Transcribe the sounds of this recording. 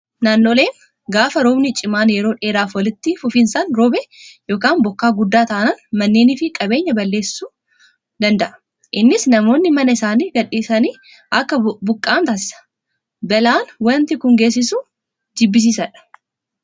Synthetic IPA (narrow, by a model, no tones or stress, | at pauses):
naːnːo̞ːle̞ːn | ɡaːfɐɾoːbnɪt͡ʃʼɪmaːnjɛɾo̞ːᶑe̞ːɾaːfwɐlɪt̪ːɪfʊfɪnsɐnɾɔːbɛjo̞ːkaːnbɔkːaːɡʊd̪ːaːt̪aʔnɐnmɐnːeːnɪfɪkʼɐbe̞ːɲːɐbɐlːe̞ːsːuː | d̪ɐnd̪ɐʔɐ̥ | ʔɪnːɪsnɐmo̞ːnːɪmɐnɐɪsaːniːɡɐᶑːiːsɐniː | ʔɐkːɐbʊkʼːaːnt̪aːsɪ̥sɐ̥ | bɛlaːnwɐnt̪ɪkʊŋɡe̞ːs̬ɪsu | d͡ʒɪbːɪs̬iːsɐᶑɐ̥